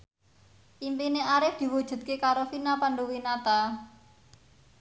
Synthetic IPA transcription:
ʔimpineaɾɪfd̪̥i̤wud̥ʒ̥ṳd̪̚kekaɾofinapanɳɖuwinat̪a

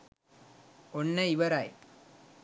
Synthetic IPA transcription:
ɔnːɐiʋɐɾaːj

